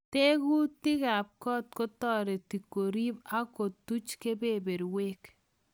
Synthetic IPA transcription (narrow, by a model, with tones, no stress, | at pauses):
te˦ku˦tɪ˦ka˨p̚kɔ˦t̚kɔ˦tɔ˦ɾe˨ti˨kːo˨ɾi˦pa˦ko˨tu˦t͡ʃke˦bebe˨ɾweː˦k